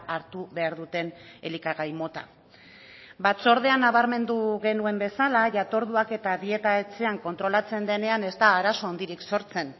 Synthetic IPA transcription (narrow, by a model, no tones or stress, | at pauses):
aɾt̪uβe̞aɾðut̪e̞ne̞likaɣajmo̞t̪a̰ | bat͡so̞ɾðe̞anːaβ̞aɾme̞nd̪uɣe̞nue̞mbe̞salaʝat̪o̞ɾðuake̞t̪aðie̞t̪aet͡se̞aŋko̞nt̪ɾo̞lat͡se̞nd̪e̞ne̞ane̞zt̪aːɾaso̞ond̪iɾikso̞ɾt͡se̞n